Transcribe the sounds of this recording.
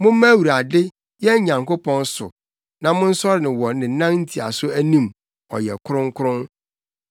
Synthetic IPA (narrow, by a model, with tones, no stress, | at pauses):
mʊ̃˦m˦mæ̃˦wu˨ɾa˨dɪ˦ | jɛ˦ɲã˨ŋko˦pʰɔ̃˦nsʊ̰˨ | nã˨mʊ̃˦n̩˦sɔ˦ɾɪ˨nɪ̃˨wɔ˨nɪ̃˨˦nã˦nn̩˦tʰi˨a̰˨sʊ˦æ˦nĩ˦m | ɔ̰˨jɛ̰˨kʰʊ˦ɾʊ̃˦ŋ˦kʰʊ˦ɾʊ̃˦n